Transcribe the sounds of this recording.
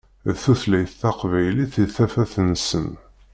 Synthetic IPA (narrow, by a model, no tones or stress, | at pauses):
θuθlæjθːɑqvæjliθiθæfæθənsə̰n